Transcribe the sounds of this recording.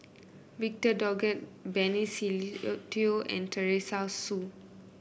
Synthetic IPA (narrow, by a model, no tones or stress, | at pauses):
vik̚tədɔɡɛt̚bɛnisitioʔɛ̰̃ntəɹesasu